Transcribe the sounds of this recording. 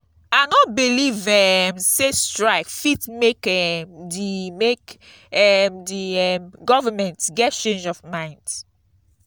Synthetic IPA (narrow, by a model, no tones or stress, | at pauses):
aɪnɔt̚bilivɛmsestɹaɪkfitmekɛmdimek | ɛmdiɛmɡɔvəmɛ̃ntɡɛt̚t͡ʃẽnd͡ʒɔvmãɪ̃nd̥